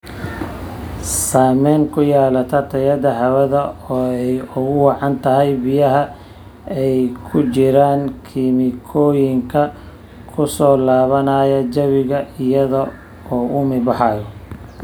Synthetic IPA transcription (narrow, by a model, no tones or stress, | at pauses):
saːmɛːŋkʰʊjaːlɐt̪ʰɐrt̪ʰɐjɐðɐɦɐwɐðɐɔːɛjʊɣʊwɑʕɑnt̪ʰɐɦɛjbɪjɐɦɐ | ɛjkʰʊt͡ʃɪɾaːŋkʰimɪkʰɔːjɪŋkʰɐ | kʰʊsɔːlaːβɐnaːjɐd͡ʒɐβɪɣɐɪjɐðɔ | ɔːʊmɪbɑħɑjɔ